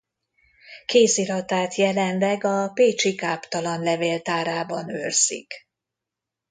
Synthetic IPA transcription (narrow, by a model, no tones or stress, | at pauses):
keːsiɾɒt̪aːt̪jɛlɛnlɛɡɒpeːt͡ʃikaːpt̪ɒlɒnlɛveːlt̪aːɾaːbɒnø̰rzḭk